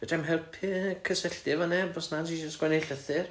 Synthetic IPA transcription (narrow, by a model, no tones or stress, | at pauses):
b̥ədʰɛmɦɛlˠpʰɪkʰəsəɬd̥ɪvɔnɛbɔsnad͡ʒid͡ʒəstɡ̥wɛnejɬəθɪr